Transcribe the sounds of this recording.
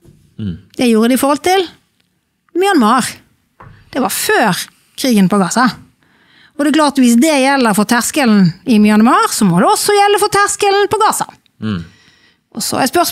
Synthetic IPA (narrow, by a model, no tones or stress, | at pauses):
d̪̥ɛjuːɾəd̪ɪɪfɔɾhɔlt̪ɪl | mʏɑnmɑːʁ | d̪̥ɛʋɑʁføːɾ | kʰʁiːɡənpʰɔɡɑːsɑ | ɔd̪ɛɛkʰlɑːʁt̪ʋɪsd̪ɛjɛlːəɾfɔt̪ʰæʁskəln̩ɪmjɑnmɑːʁsɔmɔd̪ɛɔsɔjɛlːəfɔt̪ʰæʁskəln̩pʰɔɡɑːsɑ̰ | ʔɔsɔ̰æspœʁs